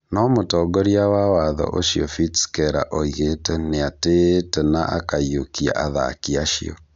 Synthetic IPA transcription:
nɔmotɔɡɔɾiawawaðɔ̰ʔoʃiɔfitskɛɾa̰ʔoiɣetɛneatetɛnaʔa̰kaiokia̰ʔaða̰kiaʃiɔ̰

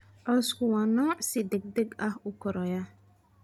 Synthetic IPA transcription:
ɔskuwanɔsidɛɡ̚dekahʊkɔɾɔja

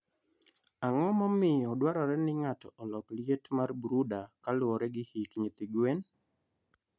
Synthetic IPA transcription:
aŋɔmɔmɪɔdwaɾɔɾɛnɪŋatɔʔɔlɔkljetmarbɾudakalʊɔɾɛɡɪhikɲit̪ɪɡwen

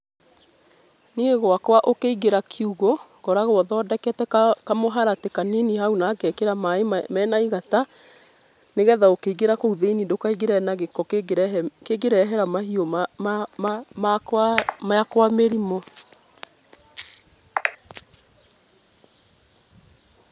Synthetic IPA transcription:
nieɣwakwaʔokeiɣeɾakʰiuɣo | kɔɾaɣwɔðɔːdɛkɛtɛkamoɦaɾatekaninihaunaːkɛkeɾamaemɛːnaiɣata | neɣɛðaokeiɣeɾakouðeinidokaiɣeɾɛnaɣekɔkɾkeɣeɾɛɦɛɾamahiɔ | makamaakwameɾimɔ

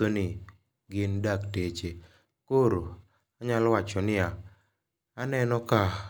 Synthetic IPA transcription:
onɪ | ɡɪndaktet͡ʃe | koɾo | aɲalwat͡ʃɔnɪaː | nɛnɔka

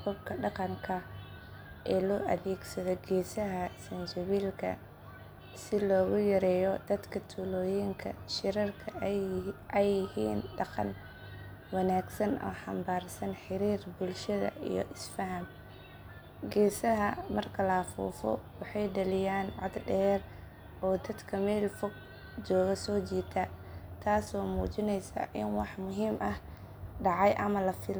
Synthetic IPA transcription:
kʰʊbkʰɐɖɑqɑŋkʰɐ | ʔɛːlɔːʔɐðɛːɡsɐðɔɡɛːsɐɦɐsɐnsʊβiːlkʰɐ̰ | sɪlɔːɣʊjɐɾɛːjɔd̪̥ɐd̪kʰɐt̪ʰuːlɔːjɪŋkʰɐ̰ʃɪɾɐrkʰɐ | ʔɛjɪhiːnɖɑqɑ̰n | wɑnaːɡsɐnɔ̰ːħɑmbaːrsɐnħɪɾiːrbʊlʃɐðɐ̰ʔḭjɞ̰ʔɪsfɐɦɐm | ɡɛːsɐɦɐmɐrkʰɐlɐfṵːfɔ̰wɑħɑjɖɐlɪjaːnʕɔ̰d̪ɖɛːr | ɔːd̪ɐd̪kʰɐmɛːlfɔɡ̚ | d͡ʒɔːɣɐsɔːt͡ʃiːt̪ʰɐt̪ʰaːsɔːmuːt͡ʃɪnɛjsa̰ʔɪnwɑħmʊɦiːmʔɐh | ɖɑʕɑjʔɐmɐlɐfɪl

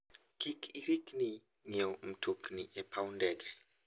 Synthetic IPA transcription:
kikʰiɾikni | ŋeom̩tʰokniʔɛpʰawndɛɡɛ

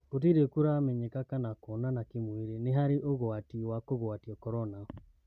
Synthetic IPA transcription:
ot̬iɾekuɾamɛɲɛkakanakɔnanakemweɾeneɦaɾeʔoɣoatiwakoɣwatiɔkɔɾɔna

